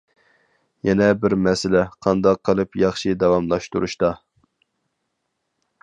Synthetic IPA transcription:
jɛnɛbɪɾmɛsɪlɛqʰɑnd̪ɑqʰːəlˠɨpjɑχʃid̪ɑwɑmlˠɑʃt̪uɾuʃt̪ɑ

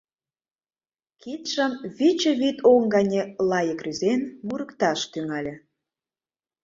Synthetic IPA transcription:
kit̪ʃə̆mβit͡ɕə̆βit̪ʰoŋɡɑnʲelɑjə̆kryzenmuɾəkt̪ɑʃt̪yŋɑlʲĕ

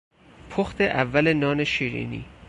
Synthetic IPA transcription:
pʰoxt̪ʰeʔævːæle̞nɒːne̞ʃiːɾḭnḭː

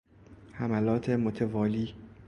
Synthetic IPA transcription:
hæmælɒːt̪ʰemot̪ʰevɒːliː

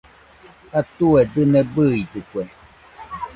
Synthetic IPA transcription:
at̪ued̪ɨnebɨid̪ɨkʷe

